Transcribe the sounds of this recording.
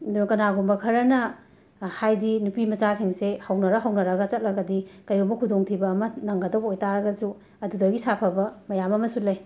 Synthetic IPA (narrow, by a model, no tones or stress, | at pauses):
ɐdunɐkɐnaɡumbɐkʰɐɾɐnɐ | hajdinupimɐt͡ʃasiŋsehɐwnɐɾɐɦɐwnɐɾɐɡɐt͡ʃɐt̚lɐɡɐdikɐjomɐkʰudoŋtʰibɐːmɐnɐŋɡɐdɐwojtaɾɐɡɐsu | ɐdudɐɡisapʰɐbɐmɐjamɐmɐsulɐj